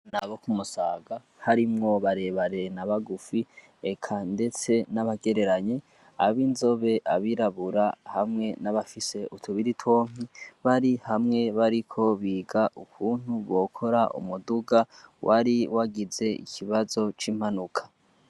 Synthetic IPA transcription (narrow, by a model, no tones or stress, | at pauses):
naβo̞kumusaːɡa | haɾimŋo̞βaɾe̞βaɾe̞naβaɡufi | ekʰande̞t͡se̞naβaɡe̞ɾe̞ɾaɲe | a̰βinzo̞βe̞ʔaβiɾaβuɾahamŋe̞naβafise̞ʔutʰuβiɾitʰwo̞ːŋ̥iβaɾihamŋe̞βaɾikʰo̞βiːɡaʔukʰuːn̥huβo̞kʰo̞ɾaʔṵmuduɡawʔaɾiwaɡize̞ḭkʰiβazo̞t͡ʃiːm̥hanukʰḁ